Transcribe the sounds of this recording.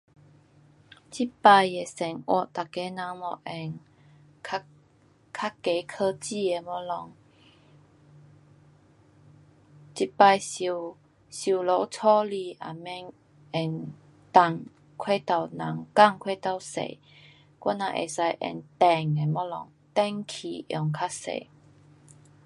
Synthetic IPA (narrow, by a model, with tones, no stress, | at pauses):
t͡ɕi˦pa˧je˨sɛ˨˩ŋwɔ̰˧˨t̪a˨ke˨˦nã˨˧˦mɔ˧˦ʔɛ˧nʰ | a˦ | kʰa˦˥kːe˨˦kʰə˧t͡ɕi˧e˨mɔ˧˦lɔ˧ŋ | t͡ɕi˦˥pa˧jsi˧ | ɕu˧lo˧˦wt͡sʰɔ˦li˧˩ʔa̰˨mɛ˧˦ŋ | ɛ˧˩n | t̪a˧˩ŋ | kʰwe˥˧˨t̪a˧˩wnã˨˦ŋka˥˧˨ŋkʰwe˥˧t̪a˧wsḛ˧˨ | kwa˧˦nã̰˧˨ʔḛ˨˩sa˧jʔɛ̰˧˩nt̪ɛ˧˨˩ŋe˨mɔ˧˦lɔ˧˨ŋ | t̪ɛ˦ŋkʰi˨˩ʔjɔ̰˧˩ŋkʰa˦˥sḛ˨